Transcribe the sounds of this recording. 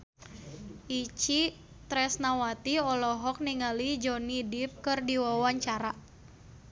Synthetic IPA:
ʔit͡ʃi | t̪ɾɛsnawat̪iɔlɔɦɔk̚niŋalid͡ʒɔnidip̚kɨrdiwawaɲt͡ʃaɾa

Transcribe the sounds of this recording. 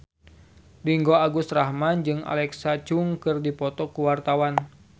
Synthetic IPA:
liŋɡoaɡust̪rahmand͡ʒɨŋa̰lɛksat͡ʃuŋkɨrdipɔt̪ɔkuwart̪awan

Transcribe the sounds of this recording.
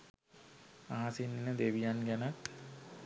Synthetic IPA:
aɦasinːinəd̪eʋijanɡænat̪

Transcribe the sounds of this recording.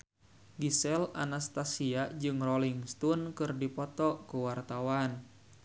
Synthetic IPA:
ɡisɛla̰nast̪asiad͡ʒɨŋrɔliŋst̪unkɨrdipɔt̪ɔkuwart̪awan

